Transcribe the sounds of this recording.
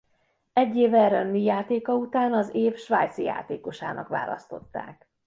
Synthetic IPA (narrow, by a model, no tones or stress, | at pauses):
ɛɟːeːvɛɾønːijaːt̪eːkɒut̪aːnɒzeːfʃʋaːjt̪sija̰ːt̪eːko̞ʃa̰ːnɒ̰kʋa̰ːlʔɒ̰st̪o̞̰t̪ːa̰ːk